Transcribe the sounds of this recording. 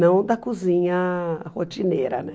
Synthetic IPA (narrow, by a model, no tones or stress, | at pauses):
ɐ̃w̃d̪ɐkuzĩɲɐhot͡ʃineɾɐ̰nɛ